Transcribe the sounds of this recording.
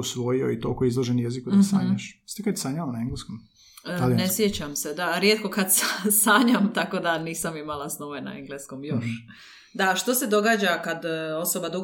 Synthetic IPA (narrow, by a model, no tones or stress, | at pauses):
usʋojio̰it̪oːkoizlˠoʒenjezikud̪asa̰ːɲaʃst̪ikajt̪saːɲaʋanaeŋɡleskom | alinesjet͡ɕamse̞d̪aɾjet̪ko̞kad̪ssaːɲamt̪ako̞d̪aniːsamimalasnoʋena̰eŋɡleskomjoʃ | d̪aʃt̪o̞se̞d̪o̞ɡaːd͡ʑakad̪o̞sobad̪uɡ